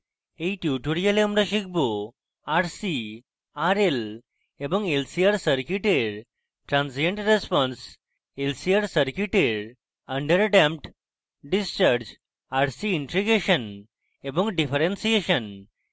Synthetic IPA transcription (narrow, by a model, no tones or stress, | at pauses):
ejʈjuʈuɾijɐleəmɾɐʃik̚bo | aɾsi | aɾel | ebɔ̃ŋɡelsiaɾsəɾkjuʈeɾ | ʈɾãnsijeɳʈɾespɔ̃ns | elsiaɾsəɾkjuʈeɾ | ɐɳɖəɾəʈempʈ | ɖist͡ʃaɾd͡ʑ | aɾsiiɳʈɾiɡeʃən | ebɔ̃ŋɡɖifʰəɾensieʃən